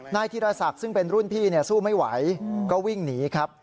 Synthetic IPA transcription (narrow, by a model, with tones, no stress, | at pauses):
naː˥˩jt̪ʰiː˥˩ɾaː˧sa˨˩k̚sɯ˥˩ŋpe˧nɾu˥˩npʰiː˥˩ni˥˩ɐsuː˥˩ma˥˩jwa̰˩˦jkɔː˥˩wi˥˩ŋniː˩˦kʰɾa˦˥p̚